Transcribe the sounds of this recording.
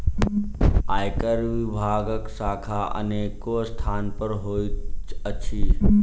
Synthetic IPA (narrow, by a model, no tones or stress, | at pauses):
aːjkəɾʋɪbʱaːɡəksaːkʰaʔə̰neːkost̪ʰaːnpəɾɦoːiəʃʰiː